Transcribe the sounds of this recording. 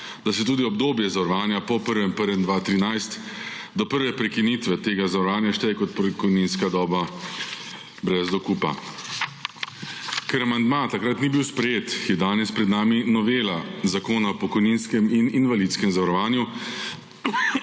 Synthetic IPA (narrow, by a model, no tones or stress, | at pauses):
d̪asɛt̪uːd̪iɔbd̪oːbjɛzaʋɾɔʋaːnjapɔpəɾʋɛmpəɾʋɛnd̪ʋaːt̪ɾinajst̪d̪ɔpəɾʋɛpɾɛkiniːt̪ʋɛt̪eːɡazaʋɾɔʋaːnjaʃt̪ɛjkɔt̪pkɔjniːnskad̪ɔːba | bɾɛzd̪ɔkuːpa̰ | kɛɾamand̪mat̪akɾat̪nibiwspɾɛjeːt̪kijɛd̪aːnɛspɾɛd̪naːminɔʋeːlazakoːnaɔpɔkɔjninskɛmininʋaliːt̪skɛmzaʋaɾɔʋaːnju